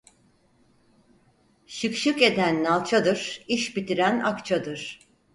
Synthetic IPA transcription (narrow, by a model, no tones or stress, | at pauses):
ʃɯkʃɯke̞d̪ænːalˠt͡ʃʰad̪ɯɾ̥iʃbit̪ʰiɾænakt͡ʃʰad̪ɯɾ̥